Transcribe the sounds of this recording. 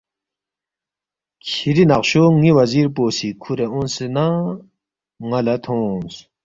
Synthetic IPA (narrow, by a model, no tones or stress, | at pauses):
kʰiɾinaχɕoŋiwazirposikʰuɾeʔonsina | ŋalat̪ʰos